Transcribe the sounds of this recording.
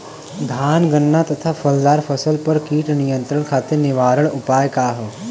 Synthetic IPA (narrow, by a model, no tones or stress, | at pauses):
d̪ʱaːnɡənːat̪ɐt̪ʰafʰɐld̪aːɾpʰɐsəlpɐɾkiːʈnɪjə̃nt̪ɾəɳ̃kʰaːt̪enɪʋaːɾəɽ̃ʊpaːjkaːɦəː